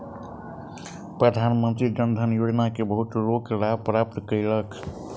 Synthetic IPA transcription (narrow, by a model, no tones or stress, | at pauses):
pɾəd̪ʱanmənt̪ɾid͡ʒənd̪ʱənjod͡ʒnakebəɦut̪ɾokɾapɾap̚t̪kəɪlək